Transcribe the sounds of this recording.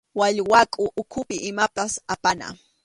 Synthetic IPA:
waʎwakʼʊʔʊkʰʊpɪʔɪmapasapana̰

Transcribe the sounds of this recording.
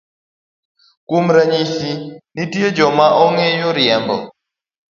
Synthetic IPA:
kum̩ɾaɲisinitied͡ʒɔmaʔɔŋɛjɔɾiɛmbɔ̰

